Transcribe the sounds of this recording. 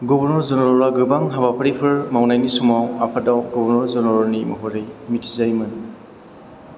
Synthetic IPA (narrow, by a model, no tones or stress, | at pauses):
ɡɔbɔɾnɔɾzɔnɔɾɔɾaɡɯbaŋɦabapʰɯɾipʰɯɾmawnajnisumawapʰadawɡɔbɔɾnɔɾzɔnɔɾɔɾnimɔ̰ɦɔɾɯjmitʰi̥zajmɯn